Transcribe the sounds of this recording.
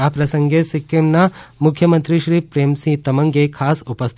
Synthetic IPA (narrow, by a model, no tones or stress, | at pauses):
aːpɾɐsɐŋɡesikːemnamukʰjɐmɐnt̪ɾiʃɾiːpɾeːmsĩt̪ɐmɐŋɡekʰaːsupɐst̪ʰ